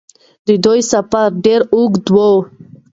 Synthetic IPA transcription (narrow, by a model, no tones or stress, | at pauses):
d̪əd̪ojsapaɾɖeɾuɡd̪wo